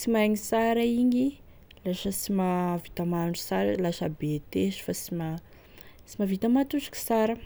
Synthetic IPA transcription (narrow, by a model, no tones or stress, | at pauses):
t͡simaŋisaɾaiɲi | laʃəsimavit̪amanusaɾə̰lasabet̪eʃu̥fasima | t͡simavit̪amat̪uzḁki̥saɾə